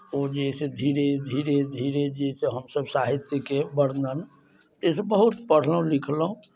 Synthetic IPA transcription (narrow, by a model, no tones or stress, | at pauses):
od͡ʒesed̪ʱiɾed̪ʱiɾed̪ʱiɾed͡ʒeseɦəmsəbsaɦit̪jəkebəɽnən | t̪esebəɦut̪pəɽ̤ləɦũlikʰlɦũ